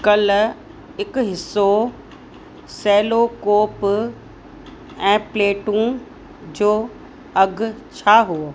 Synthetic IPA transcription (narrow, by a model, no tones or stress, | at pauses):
kɐl | ɦɪkɦɪsːo | sɛːlokoːp | ɛ̃ːpleːʈũ | d͡ʑoː | ɐɡʱt͡ɕʰaːɦuo